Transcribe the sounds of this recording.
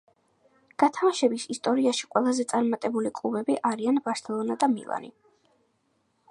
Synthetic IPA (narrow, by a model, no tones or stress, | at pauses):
ɡ̥at̪ʰamaʃɛbisist̪ʼɔɾiaʃi̥qʼwɛlˠazɛt̪sʼaɾmat̪ʼɛbulikʼlˠubɛbiʔaɾianbaɾsɛlˠɔnad̪amḭlˠa̰nḭ